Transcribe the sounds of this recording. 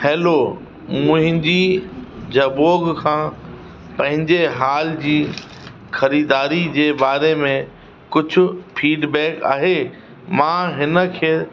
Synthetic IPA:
hɛːlo | mʊ̃ɦɪ̃ɲd͡ʑiːd͡ʑʱɐboːɡkʰãː | pɐ̃ɦɪ̃ɲd͡ʑeɦaːld͡ʑiː | xɐɾiːd̪aːɾid͡ʑeːbaːɾemẽ | kʊd͡ʑʱʊ̆fiːɖbɛːka̰ːɦe | mãɦɪnə̆kʰeː

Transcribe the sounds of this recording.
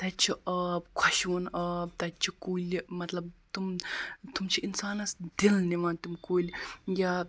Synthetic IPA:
t̪ɐt͡ʃʰiʔɐbkʰɐʃʋunɐb̚t̪ɐt͡ʃʰikuːlʲmɐt̪lɐb̚t̪umt̪umt͡ʃʰiinsaːnɐsd̪ilniʋant̪umkoːlʲjaː

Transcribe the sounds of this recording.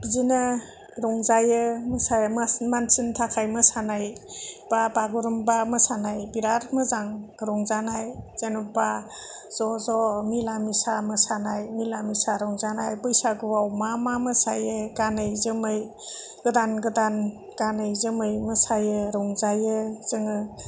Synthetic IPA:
bzina | ɾɔŋzajɯməsajmmansintʰakʰajmɯsanajb̥abaɡuɾɯmbamɯsanajbiɾaɾmɯzaŋɾɔŋzanajz̥enuba | z̥ɔzɔmilamisamɯsanajmilamisaɾɔŋzanajbɯjsaɡɯwawmamamɯsajɯɡanɯjzɯmɯj | ɡ̥ɯdanɡɯdan | ɡ̥anɯjzɯmɯjmɯsajɯɾɔŋzajɯz̥ɯŋɯ

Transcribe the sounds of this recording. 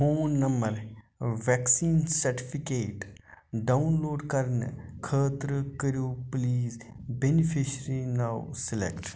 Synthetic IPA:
hoːnːɐmbəɾ | ʋɛksiːnsɐɾʈipʰikeːʈɖaunloːɖkɐɾnkʰəːt̪ɾkəɾjoːpliːz | benipʰiʃɾinaːwsɪlḛkʈ

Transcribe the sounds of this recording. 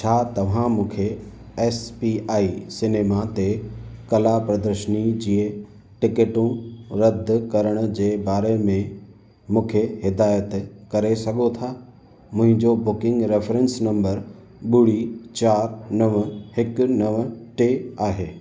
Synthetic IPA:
t͡ɕʰaːt̪ɐʋ̤ãmũːkʰe | ɛːspiʔaːisɪneːmat̪ekɐlapɾɐd̪əɾʃənid͡ʑiə | ʈɪkeʈũɾɐd̪ʱkɐɾəɽ̃ʊ̆d͡ʑeːbaːɾemẽ | mũːkʰehɪd̪aːjət̪kɐɾesɐɠʱot̪ʰaː | mʊ̃ɦɪ̃ɲd͡ʑobʊkɪ̃ŋɡɾefɾɛ̃nsnɐ̃mbəɾ | ɓʊɽit͡ɕaːɾnɐʋhɪkʊnɐʋʈeːaːɦeː

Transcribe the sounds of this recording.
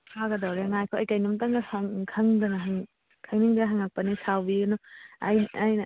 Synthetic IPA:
pʰaɡɐdawɾeŋajkʰoɐjkajnumtaŋɡɐhaŋkʰɐŋdɐnɐɦaŋ | kʰaŋniŋdɐnɦaŋak̚pɐnisawbiɡɐnɔɐjnɐjnɐ

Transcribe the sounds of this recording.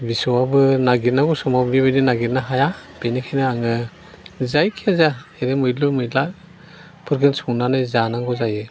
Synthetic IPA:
bisɔwabɯnaɡit̚naɡɔsɔmablibɯdinaɡit̚naɦajab̥enikʰajnɯaŋɯ | zajkʰiazaeɾemɯjlɯmɯjlak̚ | pʰɯɾɡɯnsuŋnanɯjzanaŋɡɔzajɯ

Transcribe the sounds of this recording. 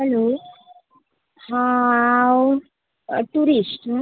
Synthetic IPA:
ɦɛlo | ha | w | ʈuɾisʈ

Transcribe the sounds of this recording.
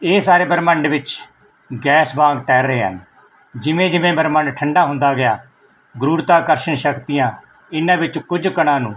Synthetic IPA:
eːsaːɾeːbəɾməɳɖʋɪt͡ʃ | ɡɛːsbãːɡ̚t̪ɛːɾeːɦə̰n | d͡ʒɪʋẽːd͡ʒɪʋẽːbəɾməɳɖʈʰəɳɖaːɦʊ̃nd̪aːɡɪjaː | ɡɾuːɽt̪aːkəɾʃəɳʃəkt̪ɪjãː | ɪnãːʋɪt͡ʃkʊd͡ʒkəɽãːnũː

